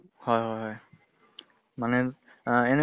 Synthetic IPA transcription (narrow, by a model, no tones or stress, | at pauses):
hɔjɦɔjɦɔj | manɛ | ɛnɛ